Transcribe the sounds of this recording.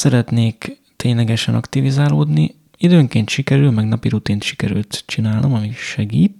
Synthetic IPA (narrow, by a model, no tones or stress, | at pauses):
sɛɾɛt̪neːk | t̪eːɲlɛɡɛʃɛnʔɒ̰kt̪ivizaːloːd̪ni | id̪øːŋkeːnt̪ʃikɛɾylmɛɡnɒpiɾut̪iːnt̪ʃi̥kɛɾy̰lt̪t͡ʃinaːlno̞mɒmiʃɛɡiːt̪